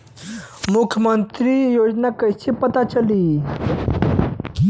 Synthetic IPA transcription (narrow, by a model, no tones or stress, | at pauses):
mukʰjəmənt̪ɾijod͡ʑnakəjsipət̪at͡ʃəli